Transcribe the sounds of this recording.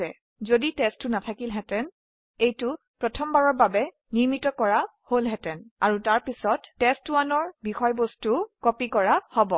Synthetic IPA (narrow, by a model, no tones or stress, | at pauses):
ɛ | zoditɛstʊnatʰakilɦɛtɛn | ejtʊ | pɹɔtʰɔmbaɹɔɹbabɛ | niɹmitɔkɔɹaholɦɛtɛnaɹutaɹpisɔtːɛstuwanɔɹbixɔjbostukɔpikɔɹahɔbɔ